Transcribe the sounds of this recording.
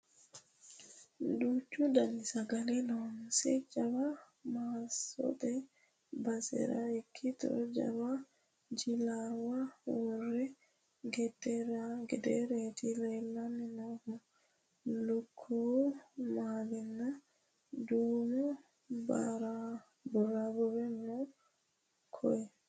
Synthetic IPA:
dut͡ʃːudanisaɡalinɔnsɛ̰d͡ʒaba | masɔ̰dɛ | basɛ̰ɾa̰ikʰːit̪ɔ̰d͡ʒa̰βa | d͡ʒilawawɔrɛ | ɡɛd̪ɛɾaɡɛd̪eɾeːt̪ɪlɛlːanɪnohʊ | lʊkʰːumaːlɪnːɐ | d̪uːmu | ba̰ɾa | bʊɾabʊɾɛnːɔ | kʰɔjɛ

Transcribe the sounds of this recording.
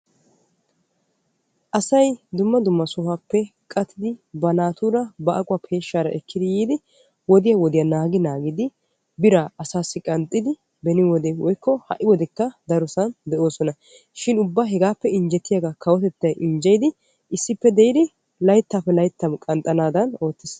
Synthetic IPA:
ʔɐsɐjd̪ʊmːɐd̪ʊmːɐsɔhapːɛkʼɐt̪ʰːɪd̪ɪbɐnaːt̪uːɾɐbɐʔɐkʼʊwaːpʰe̞ːʃːaːɾɐʔɛkʰːɪd̪ɪjiːd̪ɪ | wɔd̪ɪjɐwɔd̪ɪjɐnaːɡɪnaːɡɪd̪ɪ | bɪɾaɐsaːsːɪkʼɐnt̪ʼːɪd̪ɪ | bɛnɪwɔd̪ewɔjkːɔhɐ̰ʔɪwɔd̪ɛkːɐd̪ɐɾʊsɐnd̪ɛʔo̞ːsɔnɐ | ʃɪnʊbːaɦɛɡaːpːɛɪnd͡ʒɛt̪ːɪjaɡakʰɐwɔt̪ɛt̪ːɐjʔɪnd͡ʒɛjd̪ɪ | ɪsːɪpːɛd̪ɛjɪd̪ɪ | lɐjt̪ːaːpːɛlɐjt̪ːɐmkʼɐnt̪ʼɐnaːd̪ɐno̞ːt̪ːɪs

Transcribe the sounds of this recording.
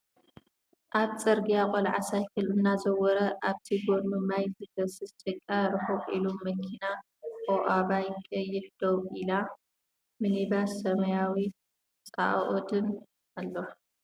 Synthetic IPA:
ʔaβt͡sʼɐɾɡijakʼɔlʕasajkʰɨlɨnːazɐwɔɾɐʔaβt̪ʰiɡonmɨmajzɨɡɐsɨst̪ʼɐkʼːaɾɨħokʼilomːɐkʰina | kʼoʔaβajkʼɐjːɪħd̪̥owʔila | mɨnibassɐmɐjawi | t͡sʼa̰ʔʔod̪ɨn | ʔalːoħ

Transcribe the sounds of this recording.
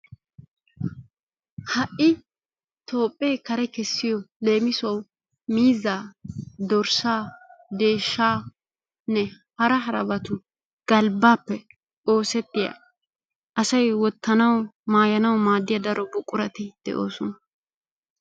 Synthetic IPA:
hɐʔɪ | t̪o̞ːpʼːeːkɐɾɛkɛsːɪjɔle̞ːmɪsʊɐw | miːzːaːd̪ɔɾsaːd̪e̞ːʃːaː | nɛ | hɐɾɐɦɐɾɐ̰bɐt̪ʊ | ɡ̥ɐlbaːpːɛ | o̞ːsɛt̪ːɪja̰ | ʔɐsɐjwɔt̪ːɐnɐwmaːjɐnɐwmaːd̪ːɪjɐd̪ɐɾʔɔbʊkʼːʊɾɐt̪ɪd̪̥ɛ̰ʔo̞ːsɔnɐ

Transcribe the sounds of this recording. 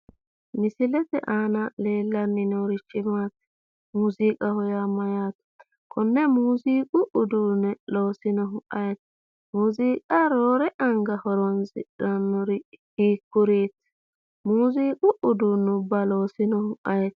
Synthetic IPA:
mɪsɪlɛt̪ɛ̰ʔaːnɐle̞ːlːɐnːɪnoɾɪt͡ʃːɪmaːt̪ | muːziːkʼɐhɔjamɐjaːt̪ | kʰɔnːɛmuːziːkʼʊʔʊd̪uːnɛlo̞ːsɪnɔɦʊʔɐjɛt̪ | muːziːkʼaɾoːɾɛʔɐŋɡɐhɔɾɔnsɪ̰ᶑɐnːɔɾɪhiːkːʊɾeːt̪ː | muːziːkʼʊʔʊd̪unʊbːɐloːsɪnɔhʊʔɐjɛt̪

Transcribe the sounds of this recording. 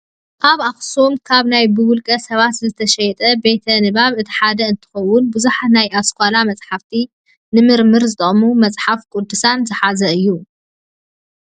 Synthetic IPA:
ʔaβaxsomkʰaβnajbɨwʊlkʼɐsɐβat̪zɨt̪ʰɐʃɐjɛt̪ʼɐbe̞t̪ʰɐnɨβaβɨt̪ʰi̥ħad̪ɐɨnt̪ʰɨ̥xɐwːʊnbɨzuħanajaskʷʰʼalamɐt͡sʼħaft̪ʰi | nɨmɨɾmɨɾzɨt̪ʼɐχʼmumɐt͡sʼħafkʼʊd̪ːɨsanzɨħazɐɨjːu

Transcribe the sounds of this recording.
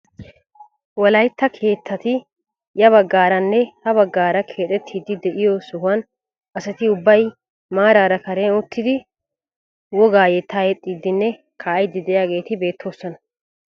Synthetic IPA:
wɔlɐjt̪ːɐkʰe̞ːt̪ʰːɐt̪ɪ | jɐβɐɡːaːɾɐnːɛhɐβɐɡːaːɾɐkʰe̞ːt̪ʼɛt̪ʰːiːd̪ːɪd̪ɛʔɪjɔsʊɦʊwɐn | ʔɐsɐt̪ɪʊbːɐj | maːɾaːɾɐkɐɾɛnʊt̪ːɪd̪ɪ | wɔɡaːjɛt̪ːaːjɛt̪ʼːid̪ːɪnːɛ | kʰaːjd̪ːɪd̪ɛjaːɡe̞ːt̪ɪbe̞ːt̪ʰːo̞ːsːɔnɐ

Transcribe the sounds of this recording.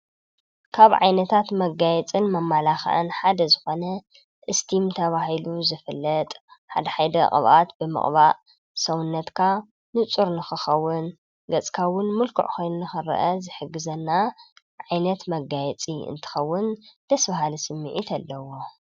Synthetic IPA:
kʰaβʕa̰jnɐt̪ʰat̪mɐɡajɛt͡sʼɨnmɐmːalaxa̰ʔɨ̰nħad̪ɐzɨxo̞nɐ | ʔɨst̪ʰimt̪ʰɐβahiluzɨfɨlːɐt̪ʼħa̰d̪ɐħajd̪ɐqʼɨ̰βʔat̪bɨmɨ̰χʼβaʔ | sɐwʊnːɐt̪kʰa | nɨt͡sʼuɾnɨxɨxɐwːʊn | ɡɐt͡sʼkʰawʊnmʊlkʰṵʕxojnunɨxɨɾɐ̰ʔɐzɨħɨɡːɨzɐnːa | ʕajnɐt̪mɐɡajɛt͡sʼiɨ̰nt̪ʰɨ̥xɐwːʊnd̪̥ɐsbaɦalisɨmːɨʕit̪ʰɐlːɐwo

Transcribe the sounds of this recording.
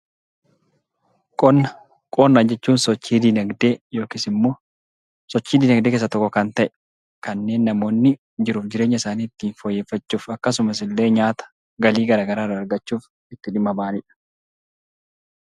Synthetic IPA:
kʼɔnɐ | kʼonːɐd͡ʒɛt͡ʃːuːnsɔt͡ʃːiːd̪ɪnɐɡd̪e̞ːjo̞ːkɪsɪmːo̞ː | sɔt͡ʃːiːd̪ɪnɐɡd̪ekeːs̬ːɐt̪ɔkːɔkɐnt̪ɐʔɛ̥ | kɐnːe̞ːnːɐmo̞ːnːɪ | d͡ʒɪɾuːfd͡ʒɪɾeːɲːɐɪsaːniːɪt̪ːiːnfojːeːfːɐt͡ʃːuːfɐkːɐs̬ʊmɐs̬ɪlːe̞ːɲaːt̪ɐ̥ | ɡɐliːɡɐɾaːɡɐɾaːrːɐːɾɡɐt͡ʃːuːf | ɪt̪ːɪᶑɪmːɐbaːnɪᶑɐ̥

